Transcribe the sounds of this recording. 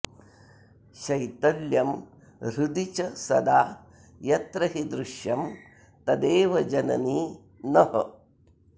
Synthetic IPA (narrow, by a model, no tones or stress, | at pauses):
ʃɐjt̪ɐljɐm | ɾud̪it͡ʃɐsɐd̪aː | jɐt̪ɾɐɦid̪ɾuʃjɐm | t̪ɐd̪eːʋɐd͡ʒɐnɐ̰niː | nɐɦɐ̰